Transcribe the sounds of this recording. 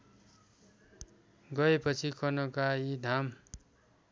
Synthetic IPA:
ɡʌepʌt͡sʰikʌnʌkaid̪ʱam

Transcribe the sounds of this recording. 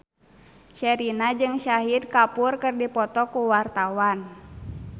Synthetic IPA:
ʃɛɾinad͡ʒɨŋʃaɦid̪̚kapurkɨrdipɔt̪ɔkuwart̪awan

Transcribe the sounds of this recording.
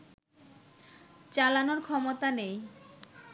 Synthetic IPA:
t͡ɕalanoɾkʰɔmot̪anej

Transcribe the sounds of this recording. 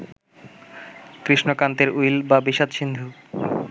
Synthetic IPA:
kɾiʃnokant̪eɾujlbabiʃat̪ʃind̪ʱu

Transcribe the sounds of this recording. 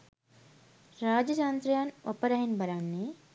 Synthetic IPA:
ɾaːd͡ʒɐd͡ʒaːnt̪ɾɐjaːnopɐɾɐɦinbɐɾaːnːe

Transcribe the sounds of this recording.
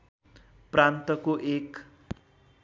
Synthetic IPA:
prant̪ʌkoʔek

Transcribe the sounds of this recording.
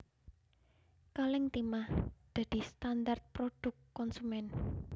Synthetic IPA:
kalɪŋt̪imahd̪̥ä̤d̪̥i̤st̪andart̪̚pɾod̥ʊ̤kːɔnsumɛn

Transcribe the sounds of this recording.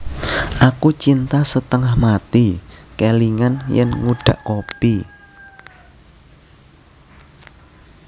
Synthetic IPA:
ʔakut͡ʃint̪asət̪əŋahmat̪ikeliŋanjɛ̰nŋuɖ̥ä̤ʔkopi

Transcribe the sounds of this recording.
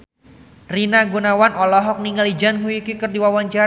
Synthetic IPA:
rinaɡunawanɔlɔɦɔk̚niŋalid͡ʒanɦuikikərdiwawaɲt͡ʃa

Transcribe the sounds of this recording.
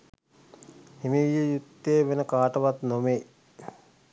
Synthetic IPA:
hemejəjut̪ːeːʋenəkaːʈəʋat̪nome

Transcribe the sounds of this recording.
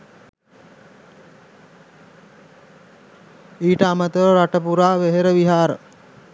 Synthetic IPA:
iːʈəamət̪əʋəɾaʈəpuɾaːʋeɦeɾəʋiɦaːɾə̰

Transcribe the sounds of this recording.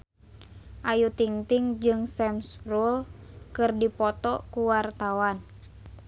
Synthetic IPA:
ʔajut̪iŋt̪iŋd͡ʒɨŋsɛmspɾulkɨrdipɔt̪ɔkuwart̪awan

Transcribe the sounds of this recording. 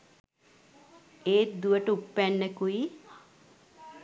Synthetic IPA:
eːt̪̚d̪uʋəʈəupːænːekui

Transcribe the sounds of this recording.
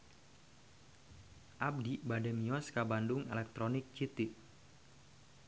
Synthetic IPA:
ʔap̚dibadɛmiɔskabandʊŋɛ̰lɛk̚t̪ɾonɪk̚t͡ʃit̪ɪk̚

